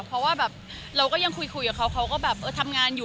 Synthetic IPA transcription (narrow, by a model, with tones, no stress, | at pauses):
pʰɾɔ˦˥waː˥˩bɛː˨˩p̚ | ɾa˧wkɔː˥˩ja˧ŋkʰu˧jkʰu˧jkaː˨˩kʰa˦˥wkʰa˦˥wkɔː˥˩bɛː˨˩p̚ʔɤː˧˩t̪ʰa˧mŋaː˧njuː˨˩